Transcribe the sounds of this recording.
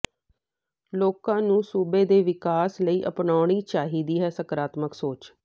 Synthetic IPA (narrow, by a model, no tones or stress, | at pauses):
loːkãːnũːsuːbeːd̪eːʋɪkaːsləiːʔəpnaːʊɳ̃iːt͡ʃaːɦiːd̪iːɦɛːsəkɾaːt̪məksoːt͡ʃ